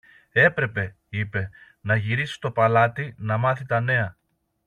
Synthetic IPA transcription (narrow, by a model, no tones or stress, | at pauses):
e̞pɾe̞pe̞ | ipe̞ | nɐʝiɾisi̥st̪o̞pɐlɐt̪inɐmɐθit̪ɐne̞ɐ